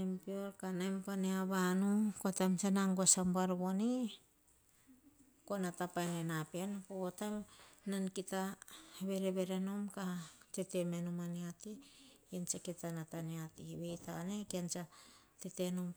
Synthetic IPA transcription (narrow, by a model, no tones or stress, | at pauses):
empioɾkanajmpaneaβanukotajmsanaŋɡosambaɾβoni | konatapajnenapanpootajmnankitaβe̞ɾeβeɾenomkatetemenomaneatiant͡ʃaketanataneatiβejtanekiant͡ʃatetenom